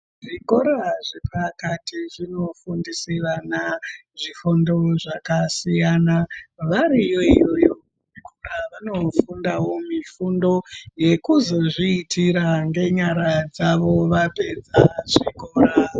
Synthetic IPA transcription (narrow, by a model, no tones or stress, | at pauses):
ʐiko̞ɾaʐepakatiʐino̞fundisiʋanaʐifundo̞ʐakasijanaʋaɾijo̞ijo̞jo̞ | ikuraʋano̞fundawo̞mifundo̞je̞kuzo̞ʐiːtʰiɾaŋɡe̞ɲaɾad͡zaʋo̞ʋape̞d͡zaʐiko̞ːra